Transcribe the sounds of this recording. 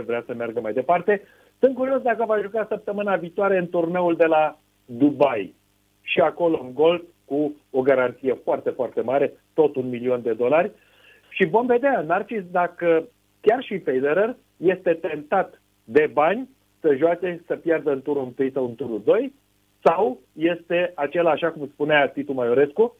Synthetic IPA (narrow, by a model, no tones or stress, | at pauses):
vɾeasəmearɡəmajd̪e̞part̪e̞ | sɨn̚kuɾio̞sd̪akəvaʒukasəp̚t̪əmɨnaviːt̪oaɾe̞ɨnt̪urne̞uld̪e̞la | d̪ubaj | ʃiako̞lo̞ɨŋɡo̞lf | ku | oɡaɾant̪sije̞foart̪e̞foart̪e̞maɾe̞t̪o̞t̪unmilio̞nd̪e̞d̪o̞larʲ | ʃivo̞mve̞d̪eaɨnart͡ʃisd̪akə | kʲarʃipejd̪eɾər | je̞st̪e̞t̪e̞nt̪at̪ | d̪e̞banʲ | səʒoat͡ʃe̞səpjard̪əɨnt̪uɾunt̪ɨjsawɨnt̪uɾud̪o̞j | saw | je̞st̪e̞at͡ʃe̞laːʃakumspuneat̪it̪umajoɾe̞sku